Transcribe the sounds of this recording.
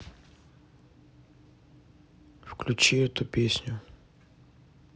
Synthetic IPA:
fklʲut͡ʃijɛt̪upʲesʲnʲʊ

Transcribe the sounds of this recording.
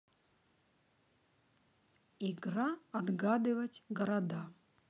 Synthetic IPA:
iɡɾaɐd̪ɡad̪ɨvɐtʲɡɐɾɐd̪a

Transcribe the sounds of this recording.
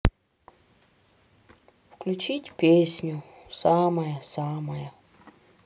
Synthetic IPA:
fklʲʉt͡ɕitʲpʲesʲnʲʊsaməjəsaməjə

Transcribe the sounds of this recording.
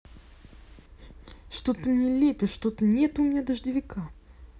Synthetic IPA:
ʂt̪ot̪əmnʲelʲepʲɪʂt̪ot̪ənʲet̪ʊmʲɪnʲad̪əʐd̪ʲɪvʲɪka

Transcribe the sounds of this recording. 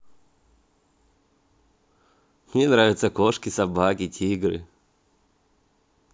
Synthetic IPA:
mnʲenɾavʲɪt̪səkoʂkʲɪsɐbakʲɪtʲʰiɡɾɨ̰

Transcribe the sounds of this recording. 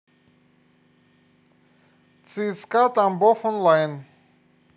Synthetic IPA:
t͡sʼiskat̪ambɔfɔnlajn

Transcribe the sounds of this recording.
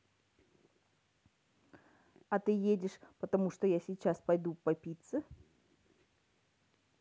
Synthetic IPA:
ɐt̪ɨjedʲɪʂpət̪ɐmuʂt̪ojasʲɪt͡ɕaspɐjd̪upɐpʲit̪sə

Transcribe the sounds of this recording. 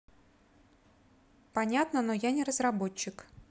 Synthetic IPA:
pɐnʲat̪nənojanʲɪɾəzrɐbo̞t͡ɕːɪk

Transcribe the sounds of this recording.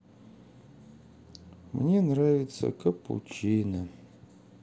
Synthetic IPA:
mnʲenravʲɪt̪sɐ̰kɐpʰṵt͡ʃʰejnɐ

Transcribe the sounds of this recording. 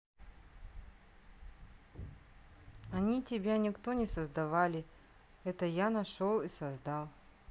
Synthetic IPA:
ɐnʲitʲɪbʲanʲɪkt̪onʲɪsəzd̪ɐvalʲɪ | ɛt̪əjanɐʂolˠisɐzd̪ɑlˠ

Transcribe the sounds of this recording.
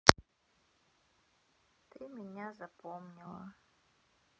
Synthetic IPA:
t̪ɨmʲɪnʲazɐpomnʲilˠə̰

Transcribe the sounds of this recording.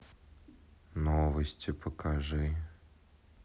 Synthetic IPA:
novəsʲtʲɪpəkʰaʐɨ

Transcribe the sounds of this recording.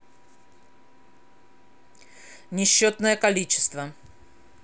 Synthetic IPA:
nʲɪɕːot̪nəjəkɐlʲit͡ɕɪ̥st̪və

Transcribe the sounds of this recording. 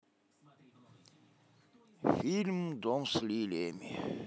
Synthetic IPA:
filmd̪ɔmslilemi

